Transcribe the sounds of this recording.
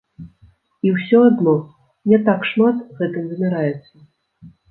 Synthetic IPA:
iwsʲɔad̪nɔ | nʲɛt̪akʂmat̪ɣɛt̪ɨmzmʲaɾajɛt̪sːɐ

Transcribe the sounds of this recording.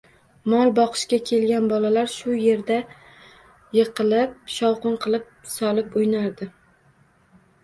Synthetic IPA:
mɒlˠbɒqʰɨ̥ʃkʲakʲʰe̞lɡʲanbɒlalaɾʃʊje̞ɾd̪a | jɨqʰɨlˠɪp̚ʃɒwqʊnqʰɨlˠɪp̚sɒlɪpʊjnaɾd̪ɪ

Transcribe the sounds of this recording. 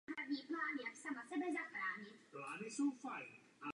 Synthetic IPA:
ɦɾadɲiːplaːnjaksamasɛbɛzaxɾaːɲɪt̪plaːnɪsowfajn | ʔa

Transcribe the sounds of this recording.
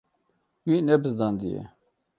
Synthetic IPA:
winɛbɨzd̪ɑnd̪ijḛ

